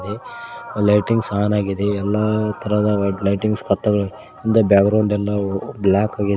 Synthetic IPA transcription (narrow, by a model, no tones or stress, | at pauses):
d̪elɐjʈiŋɡsaːnaːɡid̪eɛlːɐt̪ʰɐɾɐd̪ɐlɐjʈiŋɡspʰɐt̪ːɐɡɐɭ | ind̪ɐbjaːkɡɾɐwɳɖɛlːɐblaːkaːɡid̪